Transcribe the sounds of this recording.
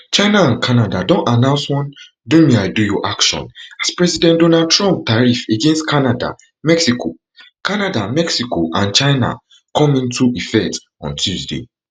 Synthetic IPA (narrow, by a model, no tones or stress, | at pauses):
t͡ʃaɪnaãnkʰanadadõntanãʊ̃nswɔ̃n | dũmeaɪdujɔʔakʃɔ̰̃naspɹɛzidɛ̃ndonad̚tʰɹɔ̃mp̚taɹifeɡɛ̃nstkʰanada̰ | mɛksikʰo̰ | kanadamɛksikoʔãnt͡ʃaɪna̰ | kʰɔ̃mĩntʰuʔifɛk̚t | ɔ̰̃ntʰjuzdḛ